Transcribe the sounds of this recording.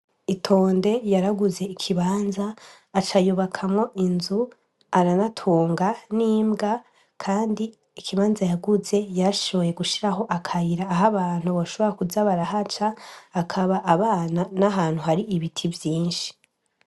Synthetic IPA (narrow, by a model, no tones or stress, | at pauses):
itʰo̞ːnde̞jaɾaɡuze̞ikʰiβaːnzaː | t͡ʃajuβakʰamŋo̞ʔinzu | aɾanatʰuːŋɡaniːmɡa | kʰaːndiː | kʰiβaːnzajaɡuze̞jaɾaʃo̞βo̞je̞ɡuʃiɾaɦo̞ʔakʰajiɾaːɦaβaːn̥huβoʃo̞βo̞ɾakuzaβaɾaɦat͡ʃaːkʰaβaʔːβaːnanaɦaːn̥huɦaɾiʔːβitʰivjiːnʃi̥